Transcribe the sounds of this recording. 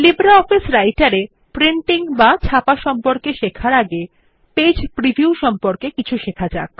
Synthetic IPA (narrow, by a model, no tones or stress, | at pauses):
libɾaɔfisɾajʈaɾe | pɾiɳʈiŋbat͡ɕʰapaʃɔmpoɾkeʃekʰaɾaɡe | ped͡ʑpɾibʱiuʃɔmpoɾkekit͡ɕʰuʃekʰad͡ʑak̚